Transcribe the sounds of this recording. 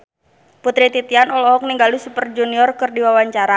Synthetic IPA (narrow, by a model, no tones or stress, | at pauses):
put̪ɾit̪it̪ianɔlɔɦɔk̚niŋɡalisupərd͡ʒuniɔrkɨrdiwawaɲt͡ʃaɾa